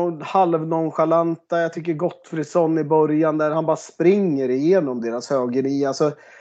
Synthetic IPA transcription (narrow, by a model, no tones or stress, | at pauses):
halvnɔnɧalant̪ajaɡt̪ʰʏkːəɾɡɔt̪ːfɾɪsɔnːɪbœɾjand̪æɾhanbɑːɾaspɾɪŋːəɾɪjeːnɔmd̪eːɾashøːɡəniːalsɔ